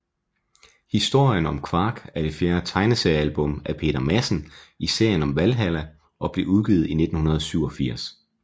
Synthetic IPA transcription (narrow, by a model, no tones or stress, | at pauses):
hisd̥o̝ɐ̰jənɒ̽mkʰʋɑ̈ːɡ̥æɐd̥e̝fjæːɐt͡sʰɑ̈ɪnəseɪælb̥ɔ̽m̰æpʰe̝̰ːɾ̥ɐmæsn̩ise̝ɐ̰jənɒ̽mʋælɦælæ | ʔɒ̽b̥le̝uð̞ˠɡ̥iːð̩ˠine̝d̥n̩hunɐð̞ˠsyʊ̰ɒ̽fiɐ̰s